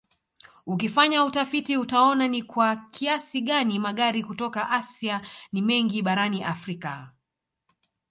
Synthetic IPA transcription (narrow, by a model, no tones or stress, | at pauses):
uk̬ifaɲautafitiutaɔnanikwakʰiasiɠanimaɠaɾikutɔkaʔasianimɛŋɡiɓaɾaniʔafɾika